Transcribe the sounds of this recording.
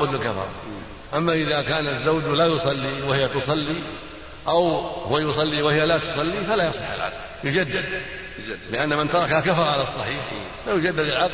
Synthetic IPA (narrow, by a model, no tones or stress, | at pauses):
bʊd̪ɪlkafɑ̰ɾˤɑ̰ | ʔamːaʔɪðakaːnazawd͡ʒlajʊsˤɑlːiwɪhɪjat̪ʊsˤɑlːi | ʔawhʊwajʊsˤɑlːiwɪhɪjalat̪ʊ̥sˤɑlːifalaːjɑsˤɪħa̰lʕa̰d̪ | jʊd͡ʒad̪ːɪd̪ | lɪʔanːamɪnt̪ɑɾˤɑkhakafɑɾˤɑʕalasˤːɑħiːħ | fajʊd͡ʒad̪ːad̪ɪlʕa